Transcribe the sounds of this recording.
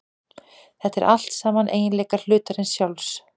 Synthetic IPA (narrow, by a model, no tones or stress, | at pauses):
θɛht̪ːɛɾʔal̥t̪saːmanʔḛːjɪnlɛːkaɾ̥l̥ʏːt̪aɾɪnsjawls